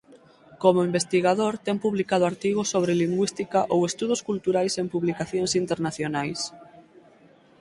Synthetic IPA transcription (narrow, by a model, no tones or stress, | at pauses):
komoimbest̪iɣaðoɾt̪ɛŋpuβlikað̞ʊaɾt̪iɣʊsoβ̞ɾeliŋɡwist̪ikaʔowest̪uð̞ʊskult̪uɾajsempuβlikaθjoŋsint̪eɾnaθjonajs